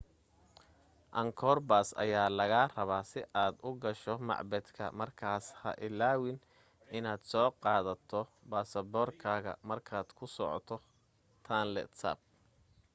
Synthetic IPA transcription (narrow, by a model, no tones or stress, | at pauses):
ʔɐŋkʰɔːrbaːsɐ̰jaːlɐɣaːrɐβaːsɪʔaːd̪ʊɡɐʃɔmɑ̰ʕbɛd̪kʰɐ̰mɐrkʰaːshɐ̰ʔɪlːaːwɪn | ɪnaːd̪sɔːqɑːðɐt̪ʰɔ | baːsɐbɔːrkʰaːɣɐ̰mɐrkʰaːd̪̥kʰʊsɔʕɔ̰t̪ʰɔ | t̪ʰaːnlɛ̰t̪sa̰ːb̚